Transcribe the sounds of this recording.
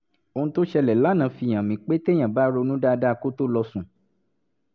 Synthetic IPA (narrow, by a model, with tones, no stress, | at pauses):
o˧ũ˧˦to˦ʃɛ˧lɛ˨la˨˦nã˨˧fi˧˨j̃ã˨mĩ˨k͡pe˦te˦j̃ã˨ba˦ɾo˧nũ˦da˦˧da˦˧ko˦to˦lɔ˧sũ˨